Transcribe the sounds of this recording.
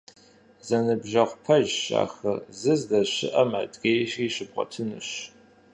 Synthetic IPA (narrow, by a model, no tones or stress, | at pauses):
zɐnɨbʒɐʁʷpʰɐʒɕa̰ːxɐzɨzdɐʃɪ̰ʔɐmʕa̰dʼɡʲeːjʃriːɕɨbqʷʼɔ̰tʰɨnɨ̰ɕ